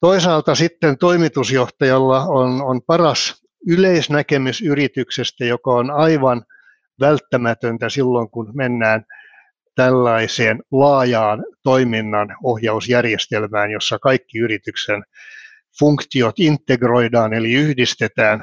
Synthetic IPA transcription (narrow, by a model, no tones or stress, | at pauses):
t̪oisɑːlt̪ɑsit̪ːent̪oimit̪usjoht̪ɑjɑlːɑononpɑrɑs | yleisnækemysyrit̪yksest̪æjokɑonɑiʋɑn | ʋælt̪ːæmæt̪ønt̪æsilːoŋkunmenːæːn | t̪ælːɑiseːnlɑːjɑːnt̪oiminːɑnohjɑusjærjest̪elmæːnjosːɑkɑikːiyrit̪yksen | fuŋkt̪iot̪int̪ːeɡroidɑːneliyhdist̪et̪æːn